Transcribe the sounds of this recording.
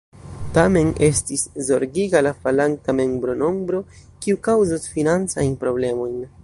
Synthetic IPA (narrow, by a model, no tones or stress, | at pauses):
tame̞ne̞stiszo̞ɾɡiɡalafalaŋ̚tame̞mbɾo̞no̞mbɾo̞kiukawzosfinant͡sajnpɾo̞ble̞mo̞jn